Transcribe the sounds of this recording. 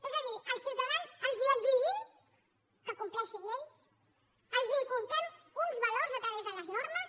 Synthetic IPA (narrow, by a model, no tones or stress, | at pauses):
ezəðiəlˠsiwt̪əðanzəlˠzləʒiʒim | kəkumplɛʃinens | əlˠziŋkulˠt̪ɾɛm | unzβəlorzət̪ɾəβezðələznoɾməs